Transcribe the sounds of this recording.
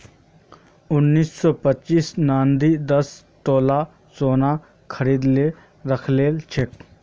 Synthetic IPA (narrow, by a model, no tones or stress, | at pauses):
ʊnːiːsːɔːpətːʃiːsnaːnd̪iːd̪ɐs | t̪oːla | soːna | kʰəɾiːd̪le | ɾəkʰleːlt͡ʃʰek